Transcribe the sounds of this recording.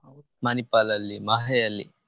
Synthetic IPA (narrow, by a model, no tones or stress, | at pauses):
manipalɐlːimaɦɐjɐlːḭ